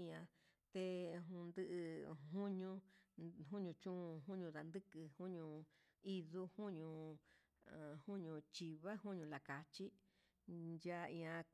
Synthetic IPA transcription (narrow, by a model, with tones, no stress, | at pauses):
ã˧ | t̪e˧ɦũ˧nd̪ɨ˦ʔɨ˧ɦũ˦ɲũ˧ɦũ˦ɲũ˧t͡ʃũ˦˧ɦũ˦ɲũ˧ða˨˧nd̪ɨ˦kɨ˧hũ˦ɲũ˧ | i˦ðu˦hũ˦ɲũ˧˨ | hũ˦ɲũ˧t͡ʃi˧βa˦hũ˦ɲũ˧la˨ka˨t͡ʃi˦ | nja˦˧ĩ˧ã˧k